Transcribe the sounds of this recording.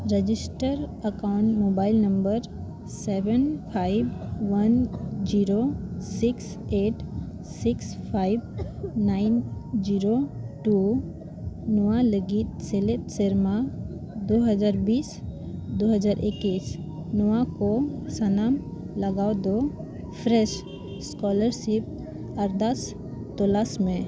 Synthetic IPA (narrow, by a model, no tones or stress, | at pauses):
ɾəd͡ʒisʈəɾəkawɳʈmobaɪlnɐmbəɾ | seʋənpʰajbʋɐnd͡ʒiɾosiks | eːʈ | sikspʰajbnaɪnd͡ʒiɾoʈu | nɔwaləɡit̪̚seletseɾma | d̪oɦəd͡ʒaɾbiːs | d̪oɦəd͡ʒaɾʔekis | nɔwakosənam | ləɡawd̪o | pʰɾɛʃ | skɔləɾsip̚ | əɾd̪as | t̪ɔlasmẽ